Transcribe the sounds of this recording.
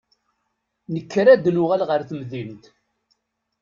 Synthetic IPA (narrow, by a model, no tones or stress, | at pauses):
nəkːɾæd̪nʊʁælʁəɾθəmðimt̪